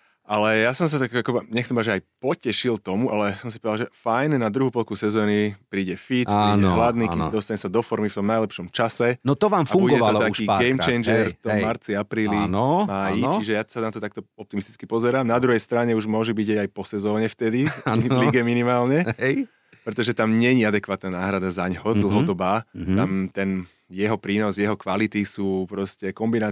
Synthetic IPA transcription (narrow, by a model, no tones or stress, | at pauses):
ʔalɛjasɔms̬at̪akakɔbɲɛxt͡sɛmbaʒɛajpɔcɛʃilt̪ɔmuʔalɛsɔms̬i̥pɔd̪alʒɛfajnnad̪ɾuɦuːpɔlkusɛzɔːnipɾiːɟɛfit̪piːɛɦlad̪niːd̪ɔst̪aɲɛsad̪ɔfɔɾmift̪ɔmnajlɛpʃɔmt͡ʃasɛnɔt̪ɔʋaːmfaubuɟɡɔɛalɔlɔt̪akʃiːɡɛjmt͡ʃɛjnd͡ʒɛɾɾt̪ɔmaɾt͡siapɾiːlinmaːjit͡ʃiʒɛjasanat̪ɔt̪ak̚t̪ɔɔp̚t̪imist̪i̥t͡skipɔzɛɾaːmnad̪ɾuɦɛjst̪ɾaɲɛuʒmʊɔʒubiɟɛajpɔsɛzɔːɲɛft̪ɛd̪iiliɡɛminimaːlɲɛɛj | pɾɛt̪ɔʒɛt̪amɲɛɲiad̪ɛkʋaːt̪naːnaːɦɾad̪azaɲɦɔd̪l̩ˠɦɔd̪ɔbaːt̪amt̪ɛn | jɛɦɔpɾiːnɔsjɛɦɔkʋalit̪isuːpɾɔscɛkɔmbina